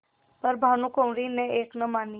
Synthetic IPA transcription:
pɐɾbʱaːnũkoːmɾineeːknɐmaːni

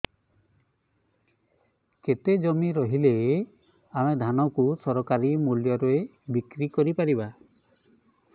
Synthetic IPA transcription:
ket̪ed͡ʒɔmiɾɔɦile | aɽ̃ed̪ʱanɔkusɔɾɔkaɾimuljɔɾoe | bikɾikɔɾipaɾiba

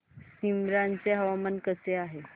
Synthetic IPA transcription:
simɾant͡seɦəʋamənkəseaɦe

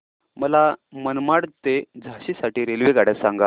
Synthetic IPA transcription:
məlamənmaɽt̪ed͡zʱaɕiːsaʈiːɾelʋeɡaɽjasãŋɡa

